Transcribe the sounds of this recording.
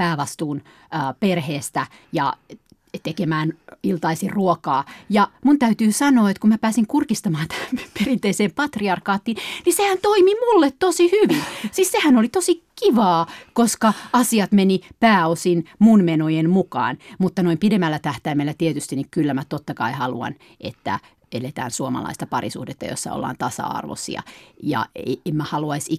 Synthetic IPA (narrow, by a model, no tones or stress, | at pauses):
pæːʋɑst̪uːnː | perheːst̪æ | jɑ̰ | t̪ekemæːnilt̪ɑisiruokɑːjɑmunt̪æyt̪yːsɑnoːet̪kummæpæːsiŋkurkist̪ɑmɑːnt̪æmperint̪eiseːmpɑt̪riɑrkɑːt̪ːiːnnisehænt̪oimimulːet̪t̪osihyʋinsissehænolit̪osikiʋɑːkoskɑɑsiɑt̪menipæːosinmunmenojenmukɑ̰ːnmut̪ːɑnoimpidemːælːæt̪æht̪æimelːæt̪iet̪yst̪inikylːæmæt̪ot̪ːɑkɑihɑlṵɑ̰n | ʔḛt̪ːæ̰ | elet̪æ̰ːnsuomɑ̰lɑ̰ist̪ɑpɑrḭsṵhdet̪ːɑ̰jo̰sːɑ̰o̰lːɑ̰ːnt̪ɑsɑ̰ɑ̰rʋo̰sḭɑ̰jɑ̰eemmæhɑluɑisi